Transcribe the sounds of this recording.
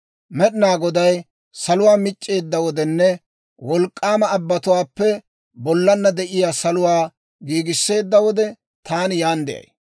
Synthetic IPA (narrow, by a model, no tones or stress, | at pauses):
mɛɗɪnaːɡɔd̪ɐj | sɐlʊwaːmɪt͡ʃʼːe̞ːd̪ːɐwɔd̪ɛnːɛ | wɔlkʼːaːmɐːbːɐt̪ʊwaːpːɛ | bɔlːɐnːɐd̪ɛʔɪjaːsɐlʊwaː | ɡiːɡɪsːe̞ːd̪ːɐwɔd̪ɛ | t̪aːnjaːnd̪ɛ̰ʔɐ̰j